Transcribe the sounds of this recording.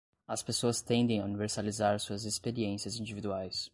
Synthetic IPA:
ɐspesoɐst̪ẽnd̪ẽj̃auniveɾsalizaɾsuɐzespeɾiẽsiɐzĩd͡ʒivid̪uajs

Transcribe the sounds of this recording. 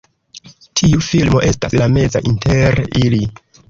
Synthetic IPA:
tʰiufilmo̞ʔe̞staslame̞za̰ʔinteɾili

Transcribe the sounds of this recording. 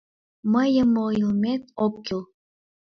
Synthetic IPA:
məjəməjlmet̪okːilˠ

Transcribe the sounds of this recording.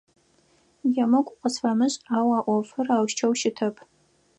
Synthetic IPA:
jɐmɐkʷʼʊqʷʼəsfɐmɨɕʼaːwaːʔʷɔfɨraːwʃt͡ʃʰɐwʃɪtʰɐpʰʼ

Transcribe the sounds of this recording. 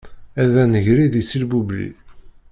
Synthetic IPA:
æðænəʝɾiðisilbublḭ

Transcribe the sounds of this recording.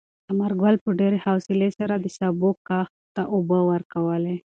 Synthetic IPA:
t̪amaɾɡwalpəɖeɾehawsɪlesaɾad̪əsabokːɑx | t̪aʔʊbəwəɾkawəle

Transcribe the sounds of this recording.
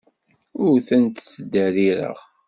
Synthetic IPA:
ʊɾθənt̪t͡sːəd̪ːæɾiɾə̰ʁ

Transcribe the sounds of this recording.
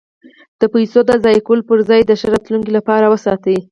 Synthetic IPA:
d̪̥əpajsod̪əzɑjkolpəɾzɑjd̪əʃəɾɑt̪luŋkilapɑɾawəsɑt̪ai

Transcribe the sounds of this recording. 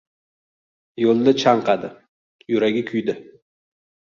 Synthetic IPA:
jolˠːɪt͡ʃʰaɴqɑd̪ɪ | jʊɾaɡʲɪkʲʰʊjd̪ɪ

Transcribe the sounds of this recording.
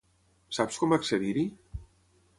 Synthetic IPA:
sapskɔməkseðiɾi

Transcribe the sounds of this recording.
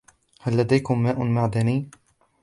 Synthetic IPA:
halːad̪ajkʊmːaːʔʊmaʕd̪aniː

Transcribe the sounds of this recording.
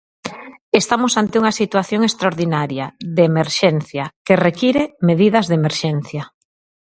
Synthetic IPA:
est̪amosant̪euŋɐsit̪waθjoŋest̪ɾaoɾðinaɾjɐðeːmeɾʃen̟θjɐkerekiɾemeðiðɐzðemeɾʃen̟θjɐ

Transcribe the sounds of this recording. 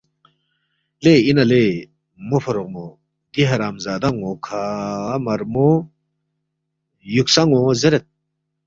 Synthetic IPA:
leinale | mopʰɐɾok̚mo | d̪iɦɐɾaːmzaːd̪aŋokʰamɐɾmo | juksaŋozeɾet̪̚

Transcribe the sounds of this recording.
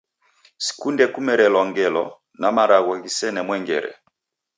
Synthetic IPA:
si̥kundɛkumɛɾɛlɔŋɡɛlɔ̰ | namaɾaɣwaɣisɛnɛmwɛŋɡɛ̰ɾɛ̰

